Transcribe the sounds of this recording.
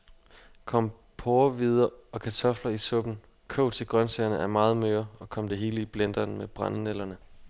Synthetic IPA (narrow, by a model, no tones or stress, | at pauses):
kʰɒ̽m̰ | pʰoːɐʋið̞ˠɐɒ̽kʰæt͡sʰɒ̽flɐisɔ̽b̥n̩ | kʰɔ̰ʊt͡sʰe̝ɡ̥ʁɶnseɐnəʔæɐmɑ̈ːð̞̩ˠmøːɐɒ̽kʰɒ̽m̰d̥e̝ɦe̝ːləib̥len̰d̥ɐnmeb̥ʁɑ̈nənelɐnə